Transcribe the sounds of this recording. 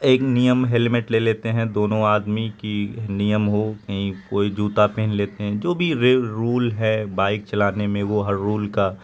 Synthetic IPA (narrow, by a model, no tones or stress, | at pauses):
eːknijəmɦelmeʈleːleːt̪eɦɛ̃d̪oːnõaːd̪mikinijəmɦokɐɦĩkoːid͡ʒuːt̪apeːnleːt̪eɦɛ̃d͡ʒoːbʱiɾeɾuːlɦɛbaːɪk̚t͡ʃɐlaːnemẽʋoɦɐɾːuːlka